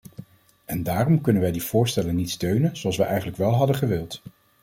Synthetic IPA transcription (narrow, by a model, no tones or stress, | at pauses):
ɛndaːrɔmkɵnənʋɛjdiv̥ʊːɹstɛlənitstøɥnənz̥oɑlˠsʋɛjʔɛjχənləkʋɛlˠɦɑdəχəʋɪlˠt